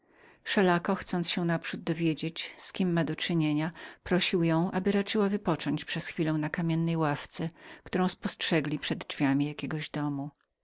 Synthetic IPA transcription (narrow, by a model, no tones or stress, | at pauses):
ʂɛlakɔxt̪sɔnt̪ɕɛnapʂud̪̚d̪ɔvʲjed͡ʑet͡ɕskʲimːad̪ɔt͡ʂɘɲeɲapɾɔɕiwjɔ̃w̃ʔabɘɾat͡ʂɘwavɘpɔt͡ʂɔɲt͡ɕpʂɛsxfʲilɛ̃w̃nakamʲjɛnːɛjwaft̪sɛkt̪uɾɔ̃w̃spɔstʂɛɡlʲipʂɛd̪d͡ʐvʲjamʲijakʲeɡɔʑd̪ɔmu